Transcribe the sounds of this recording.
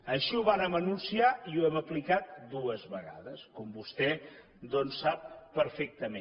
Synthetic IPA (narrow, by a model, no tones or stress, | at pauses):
əʃiuβanəmənunsiaiuɛməplikat̪̚d̪uəzβəɣa̰ðəskɔmbust̪ɛ | d̪ɔnsːap̚ːəɾfɛk̚t̪əme